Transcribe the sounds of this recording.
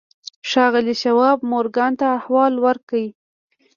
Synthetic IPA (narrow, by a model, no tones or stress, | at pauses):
ʃɑɣəliʃawɑb̚moɾɡant̪aːhwɑlwəɾkawi